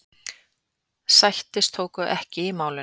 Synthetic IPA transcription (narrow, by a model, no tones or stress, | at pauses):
sajht̪ɪst̪ʰoːwkʏʔɛhcɪimaːwlɪ